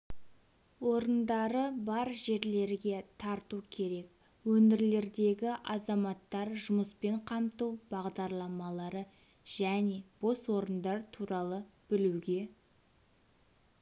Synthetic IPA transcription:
wo̞ɾənd̪ɑɾəbɑɾʒe̞ɾle̞ɾɡʲe̞t̪ʰɑɾt̪ukʲʰe̞ɾe̞k̚ | wɵnɪɾle̞ɾd̪e̞ɡʲɪʔɑzɑmɑt̪ːɑɾʒʊməspe̞ɴqʰɑmt̪uwbɑʁd̪ɑɾlˠɑmɑlˠɑɾə | ʒ̥æne̞b̥o̞swo̞ɾənd̪ɑɾt̪ʰuɾɑlˠəb̥ɪluɡʲe̞

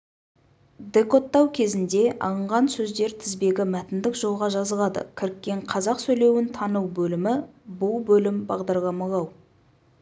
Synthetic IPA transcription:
d̪e̞ko̞t̪ːɑwkʲʰe̞zɪnd̪e̞ʔɑ̰lˠəɴʁɑnsɵzd̪e̞ɾt̪ʰɪzbe̞ɡʲɪmæt̪ɪnd̪ɪkʒo̞lˠʁɑʒɑzəlˠɑd̪ə̰kʲʰɪɾɪkʲːe̞ɴqʰɑzɑqsɵjle̞wɪnt̪ʰɑnəwbɵlɪmɪbʊlˠbɵlɪmbɑʁd̪ɑɾlˠɑmɑlˠɑw

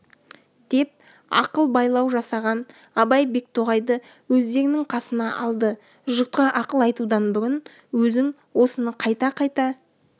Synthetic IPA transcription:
d̪̥e̞p̚ | ɑ̰qəlˠbɑjlˠɑwʒɑsɑʁɑn | ɑbɑjbe̞k̚t̪ʰoʁɑjd̪ə | wɵzd̪e̞ɾɪnɪŋqʰɑsənɑʔɑlˠd̪ə | ʒʊt̪̚qɑʔɑqəlˠɑjt̪ud̪ɑnbʏɾʲɪn | wɵzɪŋ | wo̞sənəqʰɑjt̪ɑqʰɑjt̪ɑ

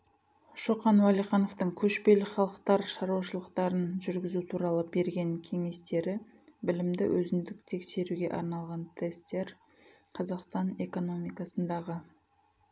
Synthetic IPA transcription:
ʃoqɑnwɑlˠijχɑno̞ft̪əɴkʲʰɵʃpe̞lχɑlˠəqt̪ɑɾʃɑɾuwɑʃəlˠəqt̪ɑɾənʒʏɾɡʲɪzut̪ʰuɾɑlˠəbe̞ɾɡʲe̞ŋkʲʰe̞ŋe̞st̪e̞ɾɪ | bɪlɪmd̪ɪ̰wʔɵzɪnd̪ɪk̚t̪ʰe̞kse̞ɾuɡʲe̞̰ʔɑ̰ɾnɑlˠʁɑnt̪ʰe̞st̪ːe̞ɾ | qʰɑzɑqst̪ɑne̞ko̞no̞mijkɑsənd̪ɑʁə

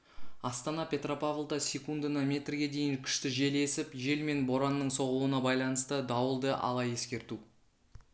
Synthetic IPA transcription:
ɑst̪ɑnɑpʲe̞t̪ro̞pavlˠd̪ɑsʲe̞kund̪ənɑmʲe̞t̪rɡʲe̞d̪e̞jɪŋkʲʰʏ̥ʃt̪ɪʒe̞le̞sɪpʒe̞lme̞nbo̞ɾanːəɴso̞ʁuwənɑbɑjlˠɑnəst̪əd̪ɑwəlˠd̪əʔɑ̰lˠɑje̞skʲe̞ɾt̪u

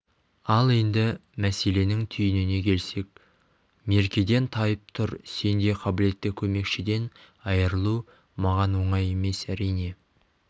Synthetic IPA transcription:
ɑlˠe̞nd̪ɪmæse̞le̞nɪŋt̪ʰʏjɪnɪne̞kʲʰe̞lse̞k̚ | me̞ɾkʲe̞d̪e̞nt̪ʰɑjəp̚t̪ʰʊɾse̞nd̪e̞qʰɑbɪle̞t̪ːɪkʲʰɵme̞kʃɪd̪e̞n | ɑjəɾəlˠu | mɑʁɑnwo̞ɴɑje̞me̞sæɾijne̞

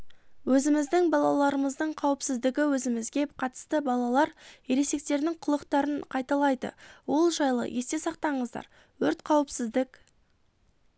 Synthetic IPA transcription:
wɵzɪmɪzd̪ɪŋbɑlˠɑlˠɑɾəməzd̪əɴqʰɑwəpsɪzd̪ɪɡʲɪwɵzɪmɪzɡʲe̞qʰɑt̪ə̥st̪əbɑlˠɑlˠɑɾeɾe̞se̞k̚t̪e̞ɾd̪ɪŋqʰʊlˠəqt̪ɑɾəɴqʰɑjt̪ɑlˠɑjd̪ə̰wo̞lˠʒɑjlˠə̰je̞st̪e̞sɑqt̪ɑɴəzd̪ɑ̰ɾ | wɵɾt̪qʰɑwəpsɪzd̪ɪk

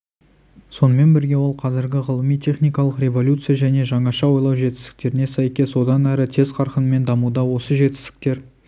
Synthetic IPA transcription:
so̞nəme̞nbɪɾɡʲe̞wo̞lˠqʰɑzɪɾɡʲɪʁəlˠəmijt̪ʲʰe̞χnijkɑlˠəqrʲe̞vo̞lʲut̪sɨjaʒæne̞ʒɑɴɑʃɑwo̞jlˠɑwʒe̞t̪ɪ̥st̪ɪ̥k̚t̪e̞ɾɪne̞sæjkʲe̞swo̞d̪ɑnæɾɪt̪ʰe̞zqʰɑɾqənəme̞nd̪ɑmud̪ɑwo̞səʒe̞t̪ɪ̥st̪ɪ̥k̚t̪e̞ɾ

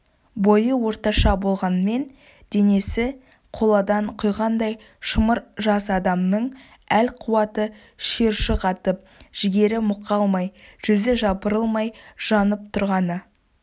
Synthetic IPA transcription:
bo̞jəwo̞ɾt̪ɑʃɑbo̞lˠʁɑnəme̞n | d̪̥e̞ne̞sɪ | qʰo̞lˠɑd̪ɑɴqʰʊjʁɑnd̪ɑj | ʃəməɾʒɑsɑd̪ɑmnəɴ | ælqʰʊwɑt̪ə | ʃe̞ɾʃɪqʰɑt̪əp̚ʒ̥ɪɡʲe̞ɾɪmʊqːɑlˠmɑjʒ̥ʏzɪʒɑbəɾəlˠmɑjʒ̥ɑnəp̚t̪ʰʊɾʁɑnə

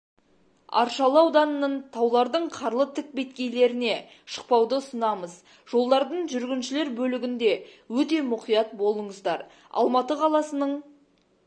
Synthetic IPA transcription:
ɑ̰ɾʃɑlˠwd̪ɑnənəɴt̪ʰɑwlˠɑɾd̪əɴqʰɑɾlˠət̪ʰɪk̚bet̪kʲe̞jle̞ɾɪne̞ | ʃə̥q̚pɑwd̪əʊsənɑməz | ʒ̥o̞lˠd̪ɑɾd̪əɴʒʏɾɡʲɪnʃɪle̞ɾbɵlɪɡʲɪnd̪e̞wɵt̪e̞mʊqijɑt̪̚bo̞lˠəɴəzd̪ɑɾ | ɑ̰lˠmɑt̪əqʰɑlˠɑsənəɴ

